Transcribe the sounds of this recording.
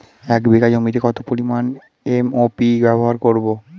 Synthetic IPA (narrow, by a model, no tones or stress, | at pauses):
ɛkbikad͡ʑomit̪ekɔt̪opoɾiman | emopibɛboɦaɾkoɾbo